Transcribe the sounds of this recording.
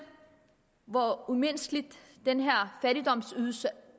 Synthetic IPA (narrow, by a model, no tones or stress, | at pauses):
ʋɒumen̰sɡ̥əlid̥ː | enɦæɐ̰fæɾid̥ɒ̽m̰syðˠsə